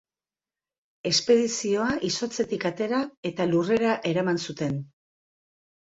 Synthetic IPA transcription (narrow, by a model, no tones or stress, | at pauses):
e̞spe̞ðisio̞aʔiso̞t͡se̞t̪ikat̪e̞ɾae̞t̪alure̞ɾaʔe̞ɾamansut̪e̞n